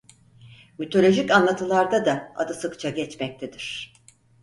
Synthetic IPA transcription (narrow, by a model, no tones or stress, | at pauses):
myt̪ʰo̞lʲo̞ʒicanlˠat̪ʰɯlˠaɾd̪ad̪aa̰d̪asɯkt͡ʃʰaɟɛt͡ʃmɛc̚t̪ʰed̪iɾ̝̥